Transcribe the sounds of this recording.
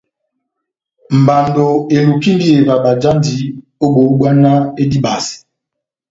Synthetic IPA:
m̩˨ba˨ndo˨e˨lu˨ki˦n˦di˦e˨va˨ɓa˨d͡ʒa˦ndi˨˦ | o˦ɓo˨˦ɡwa˦na˦e˦di˦ɓa˨s

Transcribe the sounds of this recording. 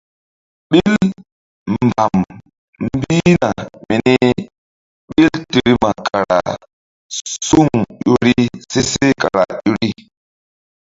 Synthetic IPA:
ɓi˦l | m˨ba˨m | m˦bi˦na˨mi˨ni˦ | ɓi˦lti˨ɾi˦ma˨kʰa˨ɾa̰˨ | su˦ŋjo˦ɾi˦se˦se˦ka˨ɾa̰˨jo˦ɾi˦

